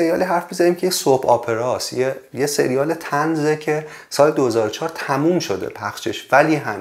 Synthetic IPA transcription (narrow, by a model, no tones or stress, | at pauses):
eɾijɒːliɦæɾfbizæɾiːmcʰejesopʰɒːpʰe̞ɾɒːsjejese̞̰ɾijɒːlet̪ʰænzecʰe̞ | sɒːled̪ohezɒːɾot͡ʃʰɒːɾt̪ʰæmuːmʃod̪ḛpʰæxʃeʃvæliːɦæm